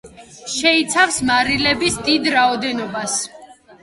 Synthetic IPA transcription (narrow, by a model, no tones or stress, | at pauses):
ʃɛit̪sʰafsmaɾilɛbisd̪id̪ɾaɔd̪ɛnɔbas